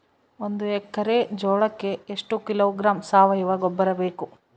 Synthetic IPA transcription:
ond̪uɛkːɐɾed͡ʒɔːɭɐkːe̞eʂʈukiloːɡɾaːmsaːʋɐjuʋaːɡobːɐɾɐbeːku

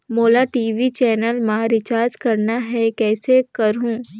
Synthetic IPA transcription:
moːlaʈiːʋit͡ʃɛːnəlmaːɾɪt͡ʃaːɾd͡ʒkɐɾnaɦɛkɛːsekɐɾɦũː

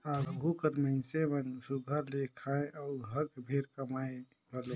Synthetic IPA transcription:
aɡʱukəɾməɪnsemənsuɡʱəɾlekʰaẽʔaʊɾɦəkbʱeɾkəmaːẽ | ɡəlo

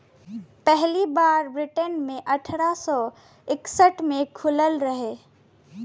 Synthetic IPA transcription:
pɛɦlibaːɾbɾɪʈənmẽʔɐʈʰɾasɔ | ɪksəʈmẽkʰʊləlɾəɦeː

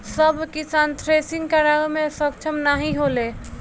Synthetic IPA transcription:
səbkisant̪ʰɾesiŋɡkaɾamesək̚t͡ʃʰəmnaɦiɦole

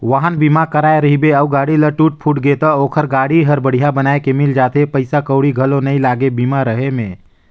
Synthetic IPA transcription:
ʋəɦənbimakəɾaːeɾəɦibeəuɡaːɽiləʈuːʈ̚pʰuʈɡet̪əoːkʰəɾɡaːɽiɦəɾbəɽ̤ijabənaːekemɪld͡ʒaːt̪epəɪsakəʊɽiɡʱəlonəĩlaːɡebimaɾəɦemẽː

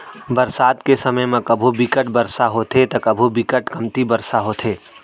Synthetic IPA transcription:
bɐɾsaːt̪kesəməjmãkəbʱubɪkəʈ̚bɐɾsaɦoːt̪ʰet̪ɐkɐbʱubɪkəʈkɐmt̪ibɐɾsaɦoːt̪ʰeː

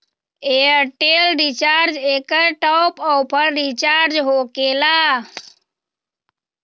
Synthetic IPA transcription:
eəɾʈelɾit͡ʃaːɾd͡ʒeːkəjʈɔːpɔwpʰəɽɾit͡ʃaːɾd͡ʒɦokela

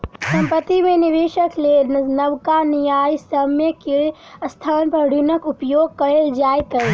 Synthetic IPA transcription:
səmpət̪imeniʋeʃəklenəwkanijajsəmjeke | st̪ʰanpəɾɽʱunəkupjoːɡ̚kəeld͡ʒajkə

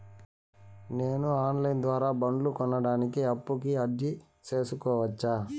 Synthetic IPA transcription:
ne̞ːnuaːnlɐjnd̪ʋaːɾaːbɐɳɖlukɔnːɐɽaːnikiɐpːukiɐɖi | t͡ʃe̞ːsukɔːʋɐt͡ʃːaː

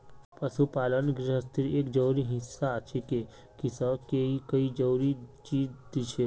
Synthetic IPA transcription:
pəʃupaːlənɡɾɪɦəst̪ʰɪɾeːkd͡ʒəuɾiɦɪ̃sːat͡ʃʰeke | kisəkeikəid͡ʒəuɾit͡ʃiːd͡ʒd̪it͡ʃʰe

